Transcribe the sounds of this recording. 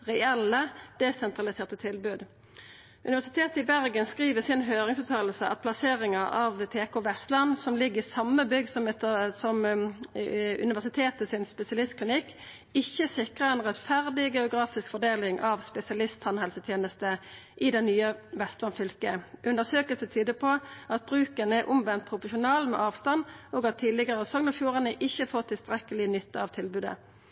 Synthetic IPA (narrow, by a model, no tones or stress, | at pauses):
ʁɛɛlːəd̪̥ɛsɛnt̪ʁɑlɪseːʁt̪ət̪ʰɪlbʉːd̪ | ʔʉnɪʋæsɪt̪ʰeːt̪əɪbæʁɡənskʁiːʋəsɪnɦøːʁɪŋsʉːt̪ʰɑːll̩səʔɑ̰t̪̚pʰlɑseːʁɪŋəʔɑʋt̪ʰeːkoːʋɛst̪lɑnsɔmlɪɡːəɪsɑmːəbʏɡsɔmɛt̪sɔm | ʉ̰nɪʋæʁsɪt̪ʰeːt̪əsɪnspɛsɪɑlɪst̪kʰlɪnɪkː | ɪçːəsɪkʁəʁɛnʁɛt̪fæʁd̪ɪɡɛʊɡʁɑːfɪskfɔd̪eːlɪŋʔɑʋspɛsɪɑlɪst̪sɑnhɛlsət̪ʰjeːnəst̪əʔɪd̪ɛnːyːəʋɛst̪ʋɑnfʏlkəʔʉnd̪əsøːkəlsət̪ʰyːd̪əpʰɔʔɑt̪̚bʁʉːkənəɛʁʔʊmʋɛnt̪̚pʰʁʊpʊʃʊnɑːlmɛ̰ʔɑːʋst̪ɑnɔːɡɑt̪ʰːiːd̪lɪɡəʁsɔŋnəfjuːʁɑnəʔɪçːəfoːʁt̪ʰɪlst̪ʁɛkːəlɪnʏt̪ːəɑʋt̪ʰɪlbʉːd̪ə̰